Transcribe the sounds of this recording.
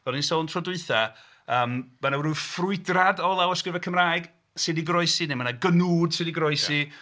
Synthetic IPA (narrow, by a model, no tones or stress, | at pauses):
ɔdnisɔntʰrɔdʊɨθa | əːmmanawɾufrʊɨdradɔlˠawəskrɪvɛkʰəmraːjɡ | sɨdiɡrɔɨsinemanaɡənuːd̥sɨdiɡrɔɨsi